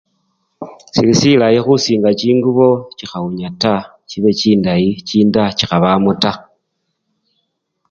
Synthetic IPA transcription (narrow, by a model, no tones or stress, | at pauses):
silisilajexusiːŋɡat͡ʃiːŋɡuβo̞t͡ʃixauɲata | t͡ʃiβe̞t͡ʃiːndajit͡ʃiːndat͡ʃixaβamuta